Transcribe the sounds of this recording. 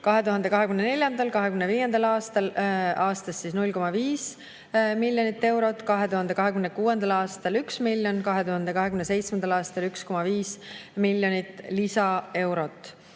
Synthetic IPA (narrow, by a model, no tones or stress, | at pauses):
kɑɦe̞t̪uɦɑnd̪e̞kɑɦekymnene̞lʲjɑnd̪ɑlkɑɦekymneviːje̞nd̪̥ɑlɑːst̪ɑlɑːst̪ɑsːisnulʲko̞mɑviːs | milʲːjo̞nit̪ːe̞wɾo̞t̪ːˑkɑɦe̞t̪uɦɑnd̪e̞kɑɦe̞kymnːekuːe̞nd̪̥ɑlɑːst̪ɑlyksmilʲjo̞nkɑɦe̞t̪uhɑnd̪e̞kɑɦe̞kymnese̞jt̪smend̪̥ɑlɑːst̪ɑlyksko̞mɑviːsmilʲjo̞nit̪ːˑlisɑe̞wɾo̞t̪ːˑ